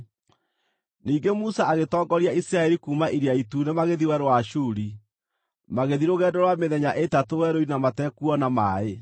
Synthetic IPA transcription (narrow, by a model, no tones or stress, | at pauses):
niːŋɡemusaaɣetɔːŋɡɔɾiaisiɾaɛɾikuːmaʔiɾiaitunemaɣeðiwɛɾowaʃuːɾi | maɣeðiɾoɣɛːdɔɾwameðɛɲaʔetatowɛɾoinamatɛkuɔnamae